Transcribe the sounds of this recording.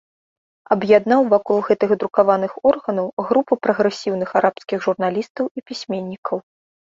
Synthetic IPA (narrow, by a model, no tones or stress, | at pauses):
ɐbjad̪n̪awvɔkɔlˠɣɛt̪ɨɣd̪ɾukavanɨxɔrɣɐnɐwɣɾupɨpɾɐɣɾɛsʲiwnɨxaɾapskʲiɣʐurnalʲist̪ɐwipʲisʲmʲenʲːikʰɐw